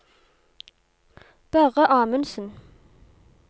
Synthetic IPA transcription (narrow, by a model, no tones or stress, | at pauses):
b̥æʁəʔɑːmənsən̩